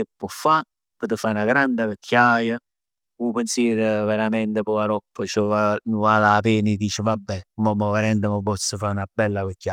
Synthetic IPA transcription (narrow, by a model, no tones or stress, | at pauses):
kepːɔfːa | pɔt̪əfanaɡɾand̪ɪvekʰːjajə | upensiɾveɾamɛnt̪epɔaɾɔpːət͡ʃəvavalapeːnid̪iːt͡ʃɪvabːɛmomoveɾent̪əməpɔsːəfaɾunabɛlːavekːja